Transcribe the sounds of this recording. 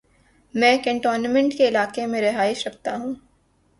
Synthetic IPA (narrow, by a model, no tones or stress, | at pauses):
mɛ̃ːkɛ̃ɳʈoːɾnamɛ̃ɳʈkeɪlaːqemẽɾɪɦaːɪʃɾɐk̚ʰt̪aɦũː